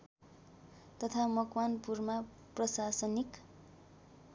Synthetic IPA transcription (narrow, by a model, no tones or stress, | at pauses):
t̪ʌt̪ʰamʌkwanpurma | prʌsasʌnik